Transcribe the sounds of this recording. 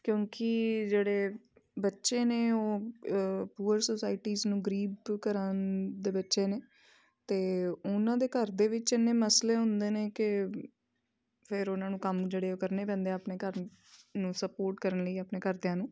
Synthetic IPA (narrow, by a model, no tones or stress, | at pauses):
kjõːkɪd͡ʒeːɽeː | bətːʃeːneːoː | puːəɾsoːsaːɪʈiːznũːɡəɾiːbkəɾənd̪eːbətːʃeːneː | t̪eːʊnãːd̪eːkəɾd̪eːʋɪt͡ʃɪnːeːməsleːɦʊ̃nd̪eːneːkɪ | pʰɪɾʊnãːnũːkəmd͡ʒeːɽeːoːkəɾneːpɛ̃ːnd̪eaːpneːkəɾ | nũːsəpoːɾʈkəɾənləiːaːpneːkəɾd̪ejãːnũː